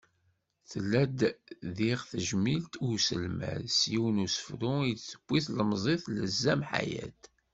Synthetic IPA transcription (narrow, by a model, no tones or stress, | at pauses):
θəlːæd̪ðiʁθəʒmilt̪ʊɾsə̰lmæ̰sjiwənusə̥fɾʊid̪sə̥b̥ʷːiθləmzˤeθləzːæmħa̰jæ̰t̪